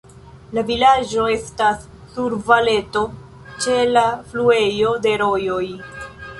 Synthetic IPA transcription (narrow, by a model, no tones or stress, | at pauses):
lavilad͡ʒo̞e̞stasː | uɾvale̞to̞ | t͡ʃe̞laflue̞jo̞de̞ɾo̞jo̞j